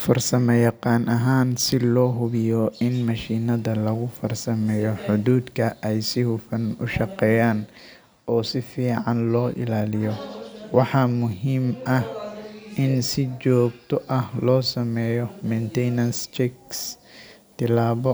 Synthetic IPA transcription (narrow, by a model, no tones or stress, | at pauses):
fɐrsɐmɛjɑqɑːnʔɐɦaːnsɪlɔːɦʊβɪjɔʔɪnmɐʃiːnɐðɐlɐɣʊfɐrsɐmɛːjɔħʊðuːd̪kʰɐʔɛjsɪhʊfɐnʊʃɑqɛːjaːn | ɔːsɪfiːʕɑnlɔːʔɪ̰laːlɪjɔwɑħɑmʊɦiːmʔɐhʔɪnsɪt͡ʃɔːɡ̚t̪ʰɔʔɐhlɔːsɐmɛːjɔmɛnt̪ʰɛjnɐnst͡ʃɛks | t̪ʰɪlaːβɔ